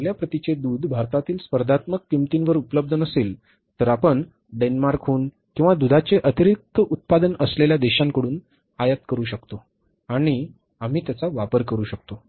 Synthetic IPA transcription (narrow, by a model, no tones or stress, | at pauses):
əljapɾət̪it͡ɕed̪uːd̪ʱbʱaɾt̪at̪iːlspəɾd̪ʱat̪məkːimt̪inʋəɾupələb̚d̪ʱənəsel | t̪əɾapəɳ | ɖenmaɾkʰuːn | kĩw̃ʋad̪ud̪ʱat͡seʔət̪iɾik̚t̪əut̪̚pad̪ənəsleljad̪eɕãŋkəɽuːn | ajət̪kəɾuːɕəkt̪o | aɽ̃i | am̤iːt̪jat͡saʋapəɾkəɾuːɕək̚t̪o